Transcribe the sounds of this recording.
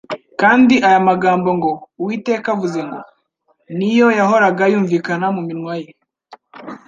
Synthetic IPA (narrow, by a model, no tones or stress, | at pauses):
kaːndiʔajamaɡaːmbo̞ŋɡo̞wiːte̞ːkavuze̞ŋɡo̞ | nijo̞jaɦo̞ɾaɡajuːɱviːkanamuminwaje